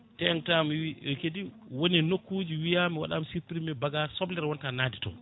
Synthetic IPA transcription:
tɛŋtamwiɛkediwoninokːuːd͡ʒiwijamiwa̰ɗa̰msipɾimɛbaɡasɔblɛɾwɔntanaːditɔ̰

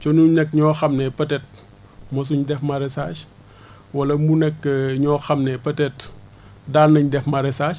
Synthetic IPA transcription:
t͡ʃɔnunɛkːɲɔːxɐmnɛpɐtɛt̚ | mɔs̬uɲdɛfmɐɾɛsaːʃ | wɐlɐmunɛkːəɲɔːxɐmnɛpɐtɛt | daːnːɐɲdɛfmɐɾɛsaːʃ

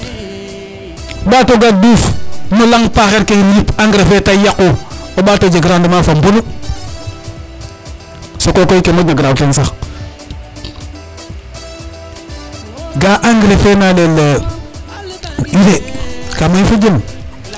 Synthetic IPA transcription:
ɓatoɡadufnolaŋpaxeɾkeimjipaŋɡɾefetajakuoɓatod͡ʒeɡɾandimafambunu | sokokoikemaɡaɡɾawtensa | ɡaʔaŋɡɾefenalele | iɾekamaifud͡ʒim

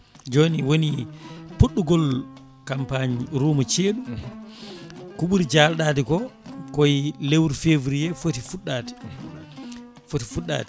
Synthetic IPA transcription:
d͡ʒoːniwonipuɗːuɡɔl | kampaɲɾuːmat͡ʃeːɗu | kuɓuɾid͡ʒalɗaːtikɔkɔjlewɾfeːvɾijɛfotifuɗːati̥ | fotifuɗːa̰ːti

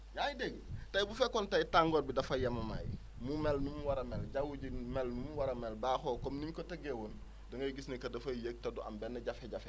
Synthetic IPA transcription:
jajideɡtajibufekontaitaŋɡoːdbidɐfajamɐma̰j | mumelnumwaɾɐmelɟawuɟimelnumwaɾɐmelbaxoːkomniɲkotɐɡewoːn | doŋɐjɡisnekɐdɐfajek̚tɐduʔa̰mbenːeɟafeɟafe

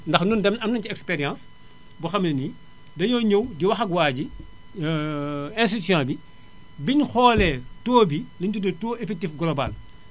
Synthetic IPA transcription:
ndɐxnundɛmɐmnɐnciɛkspɛɾjãːs | buxɐmlini | dɐɲɔːɲəwdiwɐxɐkwaːɟi | ɛ̃nsitsjɔ̃ːbi | biɲxɔːlɛtɔːbiliɲtudɛtɔːʔɛfɛk̚tifɡɔlɔbɐ̰l

